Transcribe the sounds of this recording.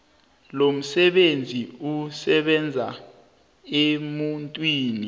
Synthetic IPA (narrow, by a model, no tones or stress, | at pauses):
lom̩sɛɓend͡zʱiusɛɓɛnd͡zʱa̰ | emuntʼwiːni